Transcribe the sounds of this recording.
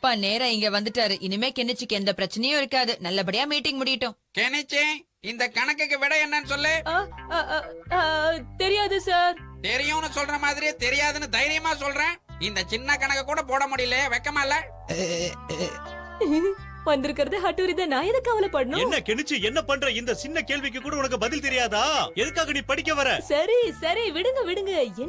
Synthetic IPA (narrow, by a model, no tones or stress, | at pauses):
pːaːneːɾɐ̃ɪŋɡɐʋɐnd̪ɯʈːaːɾɯʔɪnːɯmeːkɛɳːɪt͡ʃːɯkːɛnd̪ɐpɪɾɐt͡ʃːɐnɐjʊ̃ɪɾɯkːaːðɯnɐlːɐp̬ɐɽɪjaːmiːʈːɪ̃ŋɡmʊɽɪjɪʈːʊ̃kɛɳɛt͡ʃːẽ | ɪnd̪ɐkɐɳɐkːɯkːɯʋɪɽɐɛɳːɐnːɯsɔlːe | t̪ɛɾɪjaːðɯsaːɾt̪ɛɾɪjʊ̃ːnɯsɔlrɐmaːðɪɾɪjeːt̪ɛɾɪjaːðɯnɯd̪ɐjɪɾɪjɐmaːsɔlrɾẽː | ɪnd̪ɐt͡ʃɪnːɐkɐɳɐkːɐkːuːɽɐpoːɽɐmʊɽɪjɪlːɐjʋɛkːɐmaːɪlːɐ | ʋɐnd̪ɪɾɯkːɪɾɐðɯɦɐʈːuɾit̪ɐ̃nãːɛðɐkːɐʋɐlɐpːɐɽɐnʊɛ̃nːɐkɛɳɪt͡ʃːɯɛnːɐpɐɳɾɐ̃ɪnd̪ɐt͡ʃɪnːɐkeːɭʋɪk̬ːɯkːuːɽɐʊnɐk̬ːɯbɐðɪlt̪ɛɾɪjaːðaːɛðɯkːaːɣɐniːpɐɽɪkːɐʋɐɾɛ̃sɐɾisɐɾiʋɪɽɯŋɡɐʋɪɽɯŋɡɐɛn